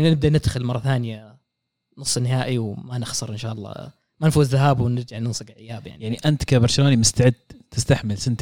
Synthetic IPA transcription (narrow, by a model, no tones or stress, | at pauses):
ʔɪnːanɪb̚d̪anɪd̪xɪlmɑrˤːɑθaːnɪja | nʊsˤːnɪɦaːʔiwmanɪxsˤɨɾˤʔɪnʃaːʔɑlˤːɑ̰ː | manfuːzðaɦaːbwnɪɾd͡ʒaʕnɪnsˤɨɡʕɪjaːbja̰ʕnijaʕniʔant̪kabɑɾˤʃaloːnimʊst̪aʕɪd̪t̪ɪst̪aħmɪlsɪnt̪